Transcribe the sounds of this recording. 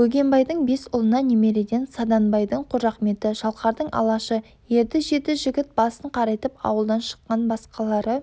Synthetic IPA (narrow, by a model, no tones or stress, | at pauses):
wɵɡʲe̞mbɑjd̪əɴbe̞sʊlˠənɑneme̞ɾe̞ɡ̪ʲe̞nsɑd̪ɑnbɑjd̪əɴqʰʊɾʒɑqme̞t̪ɪʃɑlˠqɑɾd̪əɴɑ̰lˠɑʃə | je̞ɾd̪ɪʒe̞t̪ɪʒɪɡʲɪt̪̚bɑsəɴqʰɑɾɑjt̪əpɑ̰wəlˠd̪ɑnʃə̥qqːɑnbɑsqɑlˠɑɾə